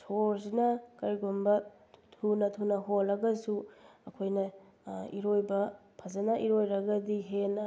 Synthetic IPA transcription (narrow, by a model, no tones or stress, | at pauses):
sʰoɾsinɐkɐɾiɡombɐ | tʰunɐtʰunɐɦolːɐɡɐsuɐkʰojnɐ | iɾojbɐpʰɐzɐnɐʔiɾojɾɐɡɐdiɦenɐ